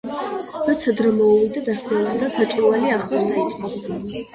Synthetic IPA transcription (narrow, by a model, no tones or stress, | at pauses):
mɛt̪sʰɛd̪ɾɛmɔvid̪ad̪asnɛlad̪zasat͡ʃʼɾɔvaliaχlˠasd̪ait̪sʼqʼɔba